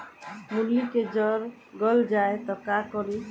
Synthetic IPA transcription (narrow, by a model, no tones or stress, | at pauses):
muljiked͡ʒɔɾ | ɡɔld͡ʒaet̪ɔkakɔɾi